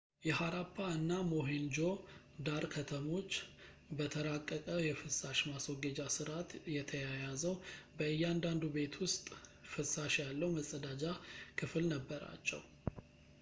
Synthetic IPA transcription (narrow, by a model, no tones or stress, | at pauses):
jɛhaɾapʰːaɨnːamo̞ɦend͡ʒo̞ | d̪aɾkʰət̪ʰəmo̞t͡ʃː | bət̪ʰəɾakʼːəkʼəjɛfɨsaʃmaswɔɡəd͡ʒasɨɾat̪jɛt̪ʰəjajazəwbəɨjːand̪and̪ube̞t̪ʰwʊst̪ʼfɨsaʃjalːəwməsʼəd̪ad͡ʒakʰɨflnəbːəɾa̰t͡ʃːɛ̰w